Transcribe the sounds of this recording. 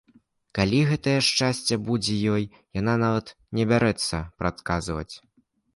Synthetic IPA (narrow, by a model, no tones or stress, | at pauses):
kalʲiɣɛt̪ɐjɛʂt͡ʂasʲt͡sʲɐbud͡zʲɛjɔj | jan̪anavɐt̪ | nʲɛbʲaɾɛt̪sːɐpɾat̪kazvɐ̰t͡sʲ